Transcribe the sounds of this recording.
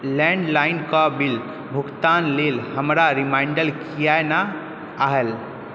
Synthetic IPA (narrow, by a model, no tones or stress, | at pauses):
lɛ̃ɳɖlaɪnkabil | bʱukt̪aːnlelhəmɾaɾimaɪɳɖəlkijajnaː | ɦel